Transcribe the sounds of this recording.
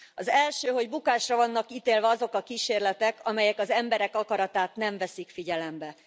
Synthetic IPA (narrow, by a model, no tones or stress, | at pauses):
ɒzɛlʃøːɦo̞ɟbukaːʃrɒvɒnːɒkiːt̪eːlvɛɒzo̞kɒkiːʃeːrlɛt̪ɛkɒmɛjɛkɒzɛmbɛɾɛkɒkɒɾɒt̪aːt̪nɛɱvɛsikfiɟɛlɛmbɛ